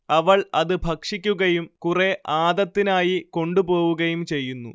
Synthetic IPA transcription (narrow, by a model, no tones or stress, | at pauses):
ɐʋɐɭɐðɨbʱɐkʂikʲːuɣɐjumkureʔaːd̪ɐt̪ːinaːjiko̞ɳɖupo̞ːʋuɣɐjumt͡ɕe̞jːunːṵ